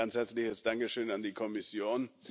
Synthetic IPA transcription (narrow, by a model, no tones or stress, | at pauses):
anshɛɐt͡slɪçəsd̥aŋkəʃøːnandiːkʰɔmɪsjoːn